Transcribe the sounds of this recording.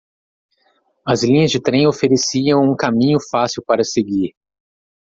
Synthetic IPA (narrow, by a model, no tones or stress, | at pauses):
ɐzlĩɲɐzd͡ʒɪt̪ɾẽj̃ofeɾesiɐ̃w̃ũkamĩɲʊfasiwpaɾɐseɡiɾ